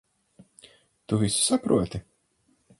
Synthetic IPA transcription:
t̪uvʲisu̥sapɾuɔt̪ʲɪ

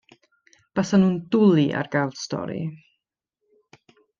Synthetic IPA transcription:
b̥asanuːndʊlˠiʔa̰rɡ̥alˠd̥stɔ̰ɾḭ

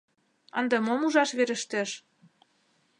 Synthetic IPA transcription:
ɑnd̪ɤmomuʒɑʃβeɾə̆ʃt̪ĕʃ

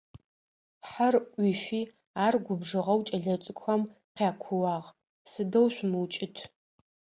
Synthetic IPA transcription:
ħarʔʷifiː | aːrɡʷʊbʐɨʁɐwt͡ʃʼɐɮɐt͡sʼɨkʷʼxɐm | qjaːkʷʰʊwaːʁ | sɨdɐwɕʷmɨwt͡ʃʼɪtʰ

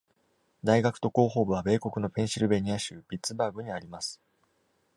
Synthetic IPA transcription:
d̪aiɡakɯ̟̥t̪o̞ko̞ːɦo̞ːbɯ̟β̞abe̞ːko̞kɯ̟no̞pẽ̞ɰ̃ɕiɾɯ̟be̞ɲ̟iaɕɯːbʲit͡sɨbaːɡɯ̟ɲ̟iaɾʲimasɨ̥

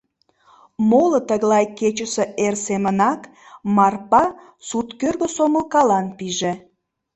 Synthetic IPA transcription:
molət̪əɣlɑjket͡ɕəse̽ersemənɑk | mɑrpɑ | sut̪kørɣə̆soməlkɑlɑnpiʒĕ

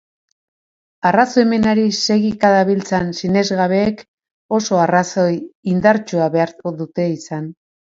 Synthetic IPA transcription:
araso̞eme̞naɾise̞ɣikaðaβilt͡sansine̞zɣaβe̞ːk | o̞so̞araso̞jind̪aɾt͡ʃuaβe̞aɾðut̪e̞isan

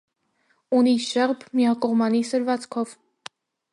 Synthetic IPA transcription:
uniʃɛʁbmiɑkɔʁmɑnisəɾvɑt͡skʰɔv

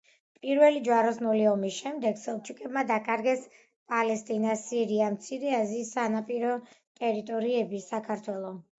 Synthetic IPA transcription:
pʼiɾvɛlid͡ʒwaɾɔsnɔlɛɔmisʃɛmd̪ɛɡsɛlˠt͡ʃʰukʼɛbmad̪akʼaɾɡɛs | pʼalɛst̪ʼinasiɾiamt̪sʰiɾɛaziːsːanapʼiɾɔt̪ʼɛɾit̪ʼɔɾiɛbisakʰaɾt̪ʰwɛlˠɔ

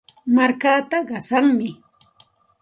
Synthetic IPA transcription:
maɾkaːt̪aɢɑsaŋmɪ

